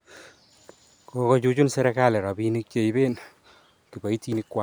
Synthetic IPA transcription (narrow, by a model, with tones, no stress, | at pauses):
kokɔ˦t͡ʃut͡ʃu˦nsɛ˦ɾɛka˦lɛ˨ɾɔ˨bini˦k̚t͡ʃe˦ibe˦n | ki˨ba˨i˦tinikːwa˦